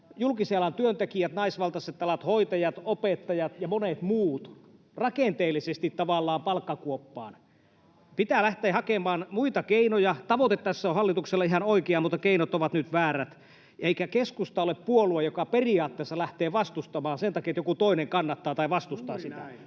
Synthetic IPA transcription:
julkiseɑlːɑnt̪yønt̪ekiæt̪nɑisʋɑlt̪ɑset̪ːɑlɑt̪hoit̪ɑjɑt̪opet̪ːɑjɑt̪jɑmonet̪muːt̪ | rɑkent̪eːlːisest̪it̪tɑʋɑˑlːɑːmpɑlkːɑkuopːɑ̰ːn | pit̪æːlæht̪eːhɑkemɑːnmuit̪ɑkeinojɑt̪ɑʋot̪et̪t̪æsːæohɑlːit̪ukselːɑihɑnoikeɑmut̪ːɑkeinot̪oʋɑt̪nyt̪ʋæːræt̪ | eikækeskust̪ɑoleppuoluɑjokɑperiɑːt̪ːeːsːɑlæht̪eːʋɑst̪ust̪ɑmɑːnsent̪ɑkiet̪jokut̪oineŋkɑnːɑt̪ːɑːt̪ɑiʋɑst̪ust̪ɑːsiæ̰

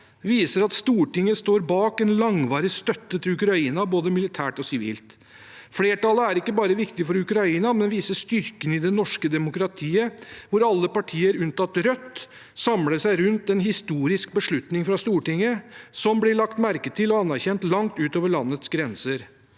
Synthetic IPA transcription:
ʋiːsəɾɑt̪st̪uːʈɪŋːəst̪oːɾbɑːkɛnlɑŋʋɑːɾɪst̪œt̪ːət̪ʰɪlʉkɾɑiːnɑboːd̪əmɪlɪt̪ʰæːʈɔsɪʋḭːlt̪ | fleːʈɑləæɾɪkːəbɑːɾəʋɪkt̪ɪfɔɾʉkɾɑiːnɑmɛnʋiːsəʂt̪ʏɾkənɪd̪ɛnɔʂkəd̪ɛmʊkɾɑt̪ʰiːəʋʊɾɑlːəpɑʈʰiːəɾʉnt̪ɑt̪ɾœt̪ː | sɑmləsæɪɾʉnt̪ɛnɦɪst̪uːɾɪsk̚bəʂɭʉt̪nɪŋfɾɑst̪uːʈɪŋːəsɔmblɪɭɑkt̪mæɾkət̪ʰɪlɔɑnːæɾçɛnt̪lɑŋt̪ʉːt̪oːʋəɭɑnːət̪sɡɾɛnsəɾ

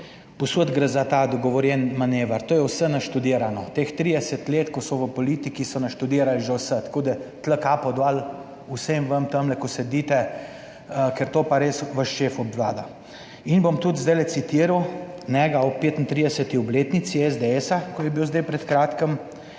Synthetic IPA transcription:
pɔsod̪ɡɾəzat̪ad̪ɔɡɔʋɔɾjɛnmaneːʋaɾt̪oːjɛwsənaʃt̪ud̪iːɾanɔt̪eːxt̪ɾid̪ɛsət̪leːt̪kɔsɔʋəpɔliːt̪ikisɔnaʃt̪ud̪iːɾalʒəwsət̪koːd̪ət̪ləkapɔd̪ʋal | usemʋəmt̪əmlɛkɔsɛd̪it̪ɛ | kɛɾt̪oːpaɾeːsʋəʃʃeːfɔbʋlaːd̪a | inbomt̪ut̪zd̪ɛjlɛt̪sit̪iːɾawnɛɡaɔpːeːt̪int̪ɾid̪ɛsət̪iɔbleːt̪nit̪siɛzd̪eɛsakɔjɛbiwzd̪ɛjpɾɛt̪kɾaːt̪kəm

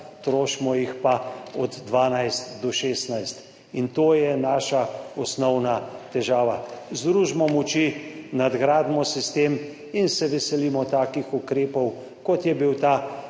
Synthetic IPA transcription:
t̪ɾoːʃmɔjixpaɔd̪ːʋaːnajst̪d̪ɔʃeːsnajst̪ | int̪oːjɛnaːʃaɔsnɔwnat̪ɛʒaːʋazd̪ɾuːʒmɔmɔt͡ʃinad̪ɡɾaːd̪mɔsist̪em | insɛʋɛsɛlimɔt̪aːkixukɾeːpɔw | kɔt̪jɛbiwt̪aː

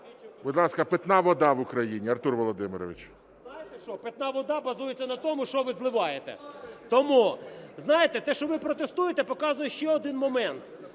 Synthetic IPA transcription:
bʊd̪lˠɑskɐpet̪nɑʋɔd̪ɑʋʊkɾɐjinʲiɐrt̪urʋɔlˠɔd̪ɪmɪɾɔʋɪt͡ʃ | znɑjet̪ɛʃt͡ʃɔpet̪nɑʋɔd̪ɑbɐzujet͡sʲːɐnɐt̪ɔmʊʃt͡ʃɔʋɪzlˠɪʋɑjet̪ɛ̰t̪ɔmuznɑjet̪ɛt̪ɛʃt͡ʃɔʋɪpɾɔt̪est̪ujet̪ɛpɔkɑzʊjɛʃt͡ʃɛɔd̪ɪnmɔmɛnt̪

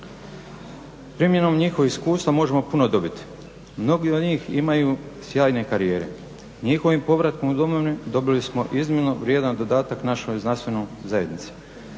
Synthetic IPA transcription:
pɾimje̞no̞mɲixoxiskuːst̪ʋamo̞ʒe̞mo̞puno̞d̪o̞bit̪i̥ | mno̞ɡiod̪ɲiːxḭmajuːsjaːjne̞kaɾijeːɾḛ | ɲixo̞ʋimpo̞ʋɾat̪komud̪o̞moʋnid̪o̞bilismo̞ʔizminoʋɾjeːd̪and̪od̪aːt̪aknaʃojznanst̪ʋe̞nojzaje̞d̪nit̪se̥

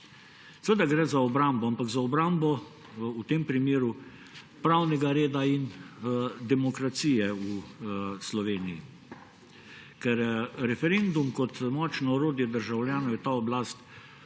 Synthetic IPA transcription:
sɛʋed̪aɡɾɛzaɔbɾambɔampaɡzaɔbɾambɔ | ut̪empɾimeːɾu | pɾawnɛɡaɾeːd̪ain | d̪ɛmɔkɾat̪sijɛuslɔʋeːnijḭ | kɛɾɾɛfɛɾend̪umkɔt̪mɔt͡ʃnɔɔɾoːd̪ijɛd̪əɾʒawlʲjaːnɔwjɛt̪aːɔblast̪

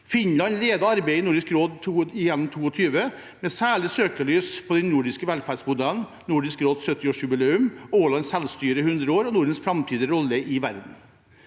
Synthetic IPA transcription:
fɪnlɑnɾeːd̪ɑɑɾbeɪɪnʊɖɪskɾoːd̪t̪ʰuːɪjɛnn̩t̪ʰuːɔt̪ʰyːʋə | mɛsæːɭɪsøːkəɭyːspʰɔd̪ɛnːʊɖɪskəʋɛlfæːɖsmʊd̪æln | nʊɖɪskɾoːd̪ssœt̪ːɪɔʂʉbɪleːʉmoːlɑnsɛlst̪yːɾəhʉnd̪ɾəoːɾɔnʊɖənsfɾɑmt̪ʰiːd̪əɾɔlːəʔɪʋæɾd̪n̩

